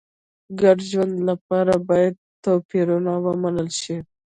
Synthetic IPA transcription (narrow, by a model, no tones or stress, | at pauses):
ɡaɖʒwand̪lapɑɾabɑjad̪̚t̪opiɾunawəmanəlʃi